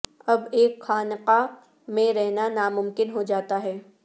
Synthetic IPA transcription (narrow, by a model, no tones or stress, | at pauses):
ɐbeːkxaːnqa | mẽɾɛɦnanaːmʊ̃mkɪnɦod͡ʒaːt̪aɦɛː